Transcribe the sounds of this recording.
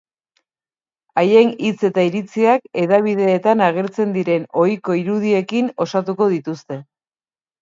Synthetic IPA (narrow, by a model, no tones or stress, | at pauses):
aje̞nit͡se̞t̪aiɾit͡siake̞ðaβ̞iðe̞ːt̪anaɣ̞e̞ɾt͡se̞nd̪iɾe̞no̞jko̞iɾuðie̞kino̞sat̪uko̞ðit̪ust̪e̞